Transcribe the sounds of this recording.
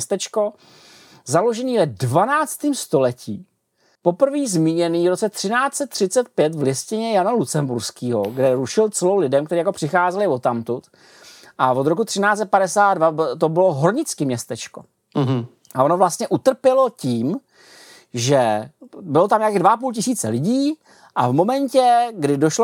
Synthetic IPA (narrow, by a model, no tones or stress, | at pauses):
st̪ɛt͡ʃko̞ | zalo̞ʒɛniːvɛdvanaːt͡st̪iːmst̪o̞lɛcḭː | po̞pr̩viːzmiːɲɛniːvɾot͡sɛt̪r̥ɪnaːt͡sɛt̪ːr̝̥ɪt͡sɛt̪pjɛt̪vlɪscɪɲɛjanalut͡sɛmbuɾskiːɦo̞ɡdɛɾuʃɪlt͡sɛlowlɪdɛmkt̪ɛɾiːjako̞pr̥ɪxaːzɛlɪvo̞t̪amt̪ut̪ | ʔavod̪ɾo̞kut̪r̥ɪnaːt͡sɛt̪̚padɛsaːd̪dvat̪obɪlo̞ɦoɾɲɪt͡skɪmɲɛst̪ɛt͡ʃko̞ | ʔaʔo̞novlast̪ɲɛʔut̪r̩pjɛlo̞ciːm | ʒɛbɪlot̪amɲakiːdvaʔapuːlc̬ɪsiːt͡sɛlɪɟiː | ʔavmo̞mɛɲcɛɡdɪdoʃlo